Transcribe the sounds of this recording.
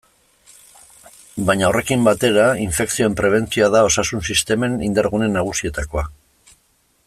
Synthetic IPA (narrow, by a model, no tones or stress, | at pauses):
bajɲao̞re̞kimbat̪e̞ɾaiɱfe̞ksio̞empɾe̞β̞e̞nt͡sioaðao̞sasunsist̪e̞me̞nind̪aɾɣune̞nːaɣ̞usie̞t̪ako̞a